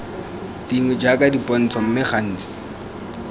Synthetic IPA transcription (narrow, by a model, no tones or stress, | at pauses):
d̥iŋwɛd͡ʒakʼadipʼɔn̩t͡sʰɔm̩mɪχan̩ːt͡sʼɪ̥